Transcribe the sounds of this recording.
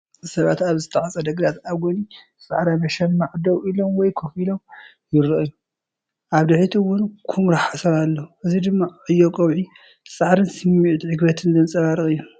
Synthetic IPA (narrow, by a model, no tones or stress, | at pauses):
sɐβat̪aβzɨt̪ʰʼɐʕat͡sʼɐd̪ɐɡd̪at̪aβɡoni | sʼa̰ʕɾamɐʃɐnmaʕd̪ɐwʔilomwɔjkʰofilom | jɪɾɨʔɨjːu | ʔaβd̪ɨħit̪ʰiwʊnkʰumɾaħasɐɾalːɐuʔɨzid̪ɨmːaʕɨjːokʼowʕi | sʼaʕɾɨnsɨmːiʔt̪ʕɨɡbɐt̪ʰɨnzɨnsʼɐβaɾɨχʼɨjːu